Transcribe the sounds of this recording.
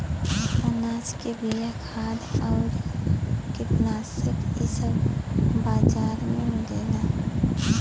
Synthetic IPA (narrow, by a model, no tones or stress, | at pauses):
ɐnaːskebijakʰaːd̪ɔːɾ | kɪp̪naːsɪkɪsəbbaːd͡ʒaːɾmemɡeːla